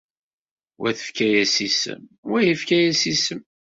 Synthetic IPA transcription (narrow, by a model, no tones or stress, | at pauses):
wæθə̥fkæjæsisə̰mwæjəfkæjæsisəm